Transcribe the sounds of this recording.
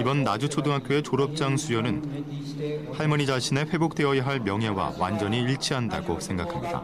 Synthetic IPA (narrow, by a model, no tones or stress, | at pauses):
ibʌnːad͡ʑut͡ɕʰodɯŋɦak͈joe̞t͡ɕoɾʌp̚t͡ɕ͈aŋsʰujʌnɯn | pʰaɭmʌɲid͡ʑaɕʰine̞ɸwe̞bok̚t͈e̞ʌjaɦaɭmjʌŋɦe̞wa̰wa̰nd͡ʑʌɲiiɭt͡ɕʰiɦanda̰ɡosʰe̞ŋɡakʰamɲida̰